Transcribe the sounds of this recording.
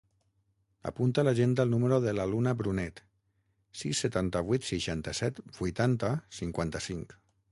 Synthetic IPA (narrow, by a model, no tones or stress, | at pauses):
a̰punt̪alaʒend̪əlˠnuməɾoðəlalunabɾunɛt̪ | sisːət̪ant̪əβ̞wit̪siʃant̪əsɛt̪bujt̪ant̪əsiŋkwant̪əsiŋk